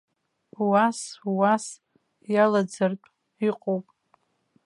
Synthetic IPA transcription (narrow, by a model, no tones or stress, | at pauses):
waswas | jalad͡zɨrtʼ | iqʼowpʼ